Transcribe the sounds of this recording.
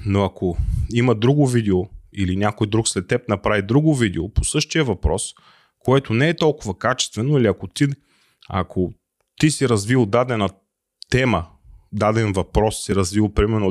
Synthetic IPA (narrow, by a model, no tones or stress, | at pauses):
noɐkʰoiməd̪ɾuɡʊvid̪ɛoilinʲjakojd̪ɾuksɾɛt̪ːɛp̚nɐpɾavid̪ɾuɡʊvid̪ɛoposɤʃt̪iəvɐpɾɔ̰s | koɛt̪onɛɛt̪ɔlˠkʊvɐkat͡ʃɛ̥st̪vɛnʊiliɐkot̪i | ɐ̰kʰo | t̪isiɾɐzvilˠd̪ad̪ɛnɐ | t̪ɛmə | d̪ad̪ɛnvɐpɾɔsːiɾɐzvilˠpɾimɛɾno